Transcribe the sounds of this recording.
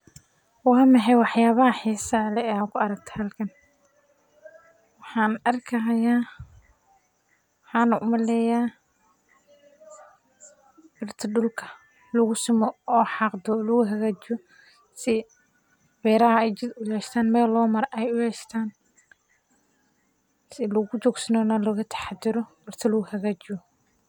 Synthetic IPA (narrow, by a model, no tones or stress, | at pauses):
wɑːmɐħɛjwɑħjaːβɐɦɐħiːsɐlɛɛakʰʊɐɾɐkt̪ʰɐ̥hɐlkʰɐn | wɑħɑːnɐrkʰɐɦɐjaː | wħɑːnʊʔʊmɐlɛːjaː | bɪrt̪ʰɐɖʊlkʰɐ | lɐɣʊsɪmɔɔːħɑqd̪ɔlʊɣʊɦɐɣaːt͡ʃɪɔ | sɪ | bɛːɾɐɦɐɛjt͡ʃɪd̪ʊjɛːʃt̪ʰaːnmɛːlːɔːmɐɾʔɛjʊjɛʃt̪ʰaːn | sɪlʊɣʊt͡ʃɔːɡsɐnɔnɐlɐɣɐt̪ʰɐ̥ħɑd̪ɪɾɔbɪrt̪ʰɐlʊɣʊhɐɣaːt͡ʃɪjɔ